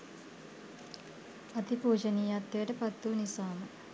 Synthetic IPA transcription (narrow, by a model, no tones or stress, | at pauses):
ɐt̪ipuːd͡ʒɐniːjaːt̪ːeːʈɐpɐt̪ːunisaːmɐ